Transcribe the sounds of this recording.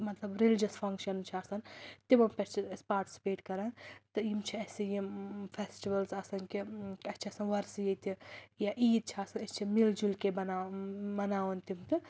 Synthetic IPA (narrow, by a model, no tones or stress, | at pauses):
mɐt̪lɐbɾilid͡ʒɐspʰɐŋkʃɐnt͡ʃʰiɐsɐnt̪imɐmpʲɐst͡ʃʰispaːɾʈi̥si̥peːʈkɐɾant̪ɨjimt͡ʃʰiɐsijimpʰesʈiʋɐlsɐsɐnkiɐst͡ʃʰiɐsɐnʋɐɾsjit̪ijaʔiːd̪̚t͡ʃʰiɐsɐnɐst͡ʃʰimild͡ʒulkebɐnabɐnaːʋɐnt̪imt̪ɨ